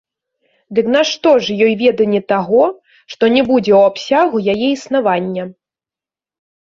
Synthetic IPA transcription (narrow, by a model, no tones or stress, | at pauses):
d̪ɨknaʂt̪ɔʐjɔjvʲɛd̪ɐnʲɛt̪aɣɔ | ʂt̪ɔnʲɛbud͡zʲɛwapsʲaɣujajɛisnavanʲːɐ